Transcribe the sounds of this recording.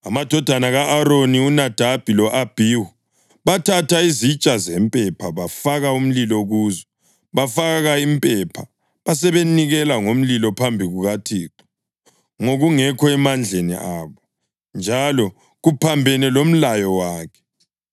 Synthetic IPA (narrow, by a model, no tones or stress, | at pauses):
amad̥ʱɔd̥ʱanaɣaʔːɾoniunad̥ʱab̥ʱilɔʔab̥ʱiwu | βatʰatʰaizit͡ʃʼazɛmpʼɛpʰaβafaɣaum̩lilɔɣuːzɔ | βafaɣaimpʼɛpʰa | βas̬ɛβeniɣɛlaŋom̩lilɔpʰambʱiɣuɣatʰiːǃi̥ | ŋoɣuŋɛkʰɔɛmand͡ɮʱenḭʔaːβɔ | nd͡ʒʱalɔ | ɣupʰambʱɛnɛlom̩lajɔwaːkʰɛ̥